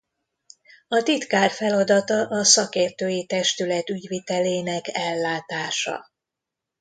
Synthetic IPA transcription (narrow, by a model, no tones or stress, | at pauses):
ɒt̪it̪kaːrfɛlɒd̪ɒt̪ɒʔɒsɒkeːrt̪øːjit̪ɛʃt̪ylɛt̪yɟʋit̪ɛleːnɛkɛlːaːt̪aːʃɒ̰